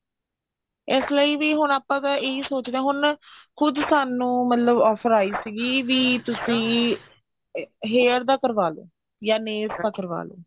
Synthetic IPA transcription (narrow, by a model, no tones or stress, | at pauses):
ɪsləiːʋiːɦʊnaːpãːt̪aːeːiːsoːt͡ʃd̪eɛ̃ːɦʊnkʰʊd̪saːnũːmət̪ləbɔːpʰəɾaːiːsiɡiːʋiːt̪ʊsĩː | ɦeːəɾd̪aːkəɾʋaːlo̰ː | jaːneːst̪aːkəɾʋa̰ːlo̰ː